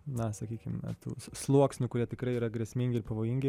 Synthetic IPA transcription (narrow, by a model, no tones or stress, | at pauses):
nɐsɐkʲiːkʲɪmnɐ̰t̪ṵːslˠuɔksʲnʲʊkʊɾʲiɛt̪ʲɪkɾɐɪiːɾɐɡɾʲɛsʲmʲɪŋʲɡʲɪɪɾpɐʋoːjɪŋʲɡʲɪ